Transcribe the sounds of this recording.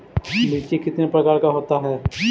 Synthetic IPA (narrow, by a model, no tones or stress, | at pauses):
mɪːt͡ʃikɪt̪nepɾəkaːɾkaɦoːt̪aɦɛː